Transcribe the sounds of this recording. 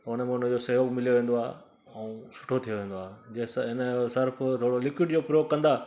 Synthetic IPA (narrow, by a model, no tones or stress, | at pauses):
t̪ɐʊñmẽʊnəd͡ʑosɐɦokmɪlijoʋẽːnd̪oa̰ː | ɛũsʊ̥ʈʰot̪ʰijoʋẽːn̆d̪oaːɦd͡ʑesɦɪnəsɪɾft̪ʰoːɽolɪkwɪɖd͡ʑoːpɾjoːkɐ̃nd̪aː